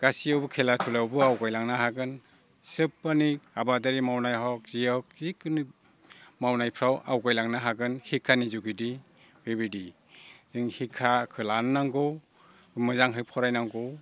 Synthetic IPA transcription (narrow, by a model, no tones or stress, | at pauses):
ɡ̥asijawbukʰelatʰulawbɯawkajlaŋnaɦaɡɯn | sɯpːanik̚abadaɾimawnajɦɔk̚z̥ijɔwk̚ikɯni | mawnajpʰɾawʔa̰wkajlaŋnaɦaɡɯnhikʰːanizuɡidi | bebidi | z̥ɯŋhikʰːakʰɯlanːaŋɡɯw | mɯzaŋɦɯpʰɔɾajnaŋɡɯw